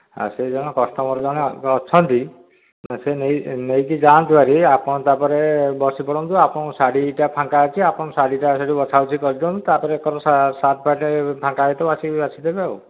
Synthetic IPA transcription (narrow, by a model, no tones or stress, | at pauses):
a̰sed͡ʒɔñɔkɔst̪ɔmɔɾɔd͡ʒaɽ̃eɔːt͡ʃʰɔnt̪i | senejnejkid͡ʒant̪ibaɾiapɔɽ̃ɔ̃t̪apɔɾebɔsipɔɽɔnt̪uapɔɽ̃ɔ̃saɽiʈapʰãŋkaat͡ʃʰiapɔɽ̃ɔ̃saɽiʈaseɽibɔt͡ʃʰawt͡ʃʰikɔɾit̪ɔ̃nt̪ut̪apɔɾekɔɾɔasat̪ʰpaʈepʰãŋkaɦet̪ɔat͡ʃʰibat͡ʃʰid̪ebao̰w